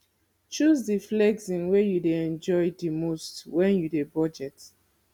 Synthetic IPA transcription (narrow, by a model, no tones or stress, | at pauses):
t͡ʃuzdiflɛɡsĩnwejudeɛ̃nd͡ʒɔjdimostwɛ̃njudebɔd͡ʒɛt